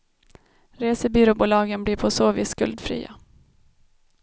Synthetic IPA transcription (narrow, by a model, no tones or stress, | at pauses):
ɾeːsəbyːɾʊbuːlɑːɡənblɪpʰɔsoːvḭːskɵ̰ld̪fɾḭːa̰